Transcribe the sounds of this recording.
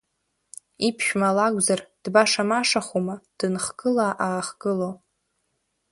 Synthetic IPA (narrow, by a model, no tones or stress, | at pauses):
ipʰʃᶣmalakʷzard̥baʂamaʂaχumad̥ɨnχɡ̥ɨlaʔaːχɡ̥ɨlo